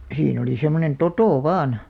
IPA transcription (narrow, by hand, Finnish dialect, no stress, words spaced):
siːn oli semːonen totoˑ ʋɑːn